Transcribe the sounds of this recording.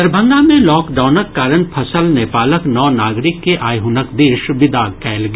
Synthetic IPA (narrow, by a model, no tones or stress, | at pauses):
ɐɾbʱə̃ŋɡamẽlɔːkɖaːʊnəkːaːɾənpʰɐsəlnɛːpaːləknɔːnaːɡɾɪkːeʔaːjɦunəkd̪eːʃʋɪd̪akɛːlɡ